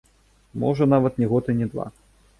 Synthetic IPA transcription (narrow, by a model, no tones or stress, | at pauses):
mɔ̰ʐɐnavɐt̪nʲɛɣɔt̪ɨnʲɛd̪va̰